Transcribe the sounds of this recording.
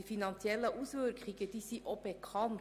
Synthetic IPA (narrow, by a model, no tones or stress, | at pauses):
fɪnɑnsɪɛlːəʔuːsʋøəɾkʰʁiːɡəd̪̥iːsiːʔɔpekʰɑːn